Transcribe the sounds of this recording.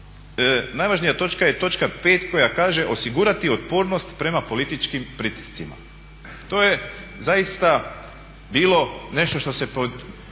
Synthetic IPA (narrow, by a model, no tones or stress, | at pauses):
naːjʋaʒnijat̪o̞t͡ʃkaje̞t̪o̞t͡ʃkape̞ːt̪ko̞jakaːʒe̞ʔo̞siɡuːɾat̪iot̪poːɾnost̪pɾe̞mapo̞lit̪it͡ʃkimpɾit̪i̥st̪sima̰ | t̪o̞ːje̞zajist̪a | biːlˠo̞ne̞ʃt̪o̞ʃt̪o̞se̞pod̪